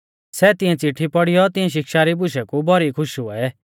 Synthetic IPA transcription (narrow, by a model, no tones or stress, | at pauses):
sɛt̪ɪ̃ɛ̃t͡siʈʰːipɔɽijɔt̪ɪ̃ɛ̃ʃ̬ɪkʃaɾibʊʃ̬ɛkubʱɔɾikʰʊʃuɛ